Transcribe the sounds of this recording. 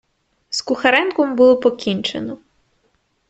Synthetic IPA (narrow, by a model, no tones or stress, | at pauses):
skʊxɐɾɛnkɔmbulˠɔpɔkʲinʲt͡ʃenɔ